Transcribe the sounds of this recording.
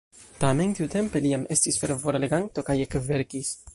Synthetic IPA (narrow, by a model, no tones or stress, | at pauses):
t̪ament̪iwt̪empeliamʔest̪isfeɾvoɾleɡant̪okajekveɾkis